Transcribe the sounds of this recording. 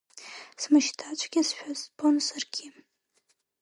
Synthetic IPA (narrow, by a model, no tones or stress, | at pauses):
smɨʃtʰat͡ʃʷʰʼɡʲɪsʃᶣazpʰʼonsɨrɡʲʰi